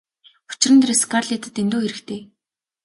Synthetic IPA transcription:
u̥t͡ɕɪ̆rɘ̆nt̪reskarɮet̪ʰə̆t̪ent̪oːxeɾɘ̆kt̪ʰeː

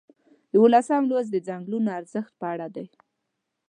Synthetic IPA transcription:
d̪əwolasamlozd̪əd͡zaŋɡlunoaɾzəxt̪̚pəaɽad̪aj

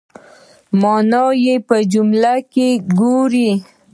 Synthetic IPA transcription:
mɑnɑjepəd͡ʒʊmlakeɡoɾi

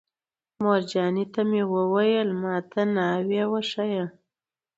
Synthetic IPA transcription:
moɾd͡ʒɑnit̪amewəwajəlmɑt̪ʰanɑwewaʂaja

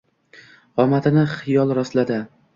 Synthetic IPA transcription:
ɒmat̪ʰɪnɪχɪjɒlˠɾɒslad̪ɪ

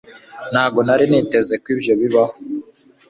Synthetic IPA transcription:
nhaːɡo̞naɾiniːte̞ze̞kwiːbjo̞βiβaho

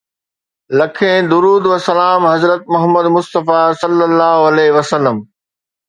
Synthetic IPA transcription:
lɐkʰẽd̪ʊɾuːd̪ʋəsɐlaːmɦɐzɾət̪̚mɐɦəmːəd̪mʊst̪əfaːsɐlːəlːaːɦoɐleːɦʋɐsɐlːəm

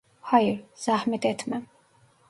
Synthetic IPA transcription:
hajɾz̥ahmɛt̪ɛt̪ʰmɛm

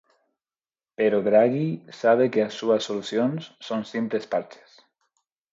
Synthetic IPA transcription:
peɾoðɾaɣisaβ̞ekeasːuasːoluθjonsːonsimplespaɾt͡ʃe̥s

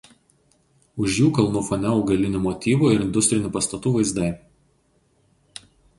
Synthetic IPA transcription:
ʊʃjuːkɐlˠnufɔnʲɛʊɡɐlʲɪnʲumɔt̪ʲiːʋuːɪɾɪnd̪ʊsʲt̪ʲɾʲɪnʲuːˑpɐst̪ɐt̪uːʋɐɪzd̪ɐɪ

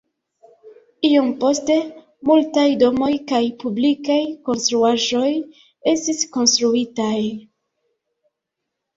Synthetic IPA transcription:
iompo̞ste̞ | multajdo̞mo̞jkajpublikajko̞nstɾuaʒo̞j | e̞stisko̞nstɾuitaj

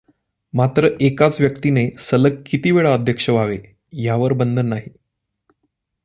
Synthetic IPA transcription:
mat̪ɾəʔekat͡sʋjəkt̪inesələɡkːit̪iʋeɭaəd̪ʱjəkʂəʋaʋe | jaʋəɾbənd̪ʱənːaɦi

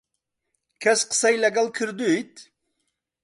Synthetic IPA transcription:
kʰæsqʰə̥sɑjleɡalˠkʰɪɾd̪ut̪

